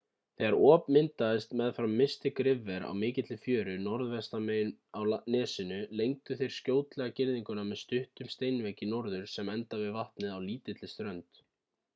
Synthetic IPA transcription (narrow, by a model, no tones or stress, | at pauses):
θɛɣaɾʔɔːpmɪnt̪aðɪst̪mɛðfɾawmːɪst̪ɪkɾɪvɛɾa̰wmɪːcɪt̪lɪfjœːɾʏnɔɾðvɛst̪amawnɛːsɪnʏlejŋkt̪ʏθejɾ̥scoːwt̪lɛɣacɪɾðiŋkʏnamɛðst̪ʏht̪ʏmst̪ejnvecɪnɔɾðʏɾ̥sɛmɛnt̪avɪðvaht̪nɪðawliːt̪ɪt̪lɪst̪ɾœnt̪